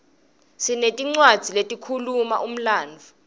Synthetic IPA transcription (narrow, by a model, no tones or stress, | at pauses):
sinetʼiŋ͡ǀwad̥z̥ʱiletʼikʰuluma̰ʔum̩laːnd͡vʱu